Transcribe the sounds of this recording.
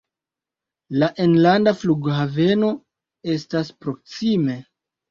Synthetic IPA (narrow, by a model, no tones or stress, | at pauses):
laʔenlandafluɡɦave̞no̞ | e̞staspɾo̞ksime̞